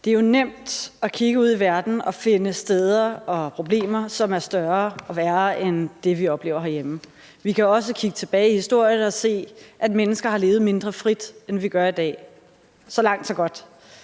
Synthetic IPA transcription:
d̥e̝æɐjo̝nem̰d̥ɒkʰiɡ̥əuð̰ˠiʋæɐd̥n̩ɒ̽fe̝nəsd̥eð̞ˠɐɒ̽pʰʁo̝b̥le̝̰ːmɐsɒ̽mæɐsd̥ɶɐɒ̽ʋæːɐʔend̥e̝ʋiɒ̽b̥le̝ːʊɐɦæɐjem | ʋikʰæɒ̽s̬əkʰiɡ̥ət͡sʰe̝b̥ɛːɪihisd̥o̝ɐ̰jənɒ̽se̝̰ːʔædmenəsɡ̥ɐɦhɑ̈le̝ːʊð̩ˠme̝nd̥ʁɐfʁid̥enʋiɡ̥ɶɐid̥ɛ̰ː | sɒ̽lɑ̈ŋ̰d̥sɒ̽ɡ̥ɒ̽d̥

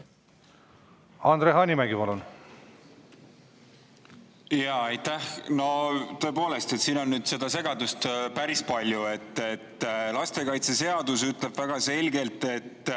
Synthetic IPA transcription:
ɑnd̪̥ɾeɦɑːnʲimæɡipɑlun | jɑɑjt̪ːæhno̞t̪ø̞epo̞ːle̞st̪e̞t̪siːno̞nːyːd̪̥se̞d̪̥ɑse̞ɡ̥ɑd̪ust̪pæɾispɑlʲjue̞t̪ˑːet̪ːlɑst̪e̞kɑjt̪se̞se̞ɑd̪us̬yt̪ˑle̞b̥væɡ̥ɑse̞lʲɡe̞lt̪ˑe̞t̪ː

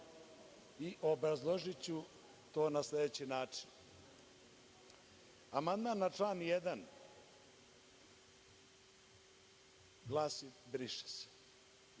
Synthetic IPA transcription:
iʔobɾazlˠoʒit͡ɕu | t̪o̞ːnasled̪et͡ɕinaːt͡ʂin | amand̪manːaʈ͡ʂlaːnjed̪an | ɡlˠaːsibɾiʃe̥se̥

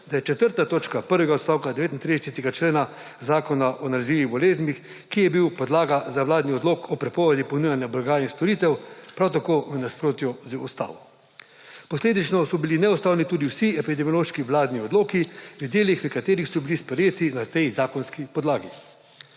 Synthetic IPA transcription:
d̪ajɛt͡ʃɛt̪əɾt̪at̪oːt͡ʃkapəɾʋɛɡaɔt̪st̪aːwkad̪ɛʋeːt̪int̪ɾid̪ɛsɛt̪ɛɡat͡ʃleːna | zaːkɔnaʔɔnaliziːʋibɔleːznmix | kijɛbiwpɔd̪laːɡazawlaːd̪niɔd̪loːkʰɔpɾɛpɔːʋɛd̪ipɔnujanjablaɡaːinst̪ɔɾiːt̪ɛwpɾawt̪akoːʋənaspɾoːt̪jɔzəɔst̪a̰ːʋɔ | pɔsleːd̪it͡ʃnɔsɔbilinɛɔst̪aːwnit̪uːd̪iwsiɛpid̪ɛmijɔloːʃkiʋlaːd̪niɔd̪loːkiʋid̪jeːlixʋəkat̪eːɾixsɔbilispɾɛjeːt̪inat̪ɛjzaːkɔnskipɔd̪laːɡi

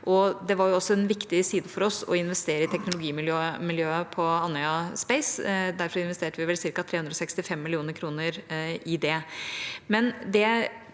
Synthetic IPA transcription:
ʔɔd̪ɛʋɑɾjʊɔsːɔɛnʋɪkt̪ɪsiːd̪əfɔɾɔsɔ̰ɪnʋɛst̪eːɾəɪt̪ʰɛknʊlʊɡiːmɪljøːmɪljøːəpʰɔɑnːœʏɑspɛɪsd̪æɾfɾɪnʋɛst̪eːʈəʋɪʋɛlsɪɾkɑt̪ʰɾeːʉnd̪ɾɔsɛkst̪ɪfɛmːɪlɪuːnəɾkʰɾuːnəɾɪd̪ɛ | mɛnd̪ɛ

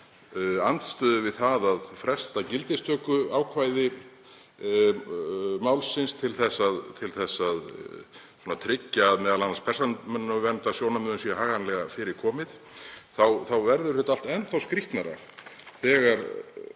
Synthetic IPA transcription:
ant̪st̪œːðʏvɪðθaðaðfɾɛ̥st̪acɪlt̪ɪst̪ʰœːkʏaːwkʰvaːjðɪ | maːwlsɪnst̪ʰɪlθɛsːaðt̪ʰɪlθɛsːað | suɔnat̪ʰɾɪcːaːðmɛːðalanːanspʰɛr̥sanmʏnːnavɛnt̪asjoːwnamʏðʏnsiahaːɣanlɛɣafɪːɾɪɾ̥kʰɔːmɪð | θawθawvɛɾðʏɾ̥θɛːt̪aal̥t̪ɛnθawskɾiht̪naɾa̰ | θɛːɣaɾ

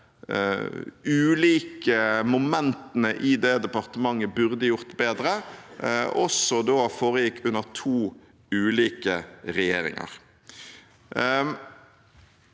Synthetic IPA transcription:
ʉːliːkəmʊmɛnt̪ənəʔɪd̪eːd̪ɛpɑʁt̪əmɑŋːəbʉʁd̪əjʊɾt̪beːd̪ɾə | ɔsɔd̪oːfoːɾəjɪkːʉnːəʁt̪ʰuː | ʉːliːkəɾɛjeːɾɪ̰ŋɑ̰ɾ

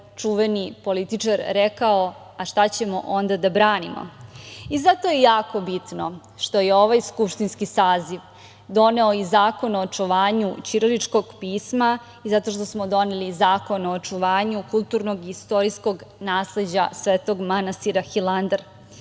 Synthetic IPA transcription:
t͡ʂuʋenipo̞lit̪it͡ʂaɾɾekao | aʃt̪at͡ɕe̞moʔo̞nd̪ad̪abɾaːnimo̰izat̪o̞jejaːko̞bit̪no̞ | ʃt̪o̞jeo̞ʋajskupʃt̪inskisaːziʋ | d̪o̞ne̞oizaːko̞noːt͡ʂuʋaːɲut͡ɕiɾolit͡ʃko̞ɡpiːsma | izat̪o̞ʃt̪o̞smod̪o̞nelizaːko̞noːt͡ʂuʋaːɲukulˠt̪uːɾnoɡiist̪o̞ɾisko̞ɡnaːsled͡ʑa̰sʋeːt̪o̞ɡmanast̪iɾaxilˠand̪ɾ

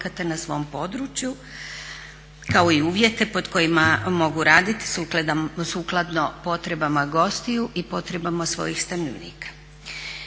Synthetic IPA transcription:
kat̪enasʋo̞mpo̞d̪ɾut͡ʃju | kao̞iuːʋje̞t̪e̞po̞d̪ko̞jimamo̞ɡuɾaːd̪it̪i̥suklˠed̪amsuːklˠad̪no̞po̞t̪ɾe̞bamaɡo̞st̪ijuʔipo̞t̪ɾe̞bamasʋo̞̰jixst̪amnoʋnḭːkḁ

